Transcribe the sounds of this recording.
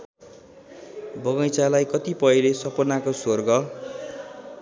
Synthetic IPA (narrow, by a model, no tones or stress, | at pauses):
bʌɡʌjt͡salajkʌt̪ipʌjlesʌpʌnakosorɡʌ